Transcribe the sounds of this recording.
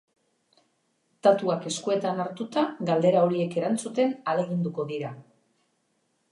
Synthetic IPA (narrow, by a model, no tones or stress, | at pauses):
t̪at̪uake̞skue̞t̪anaɾt̪ut̪aɡald̪e̞ɾao̞ɾie̞ke̞ɾant͡sut̪e̞nale̞ɣind̪uko̞ðiɾa